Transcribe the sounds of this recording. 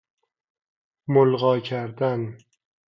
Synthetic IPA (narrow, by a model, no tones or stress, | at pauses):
molʁɒːkʲʰaɾd̪an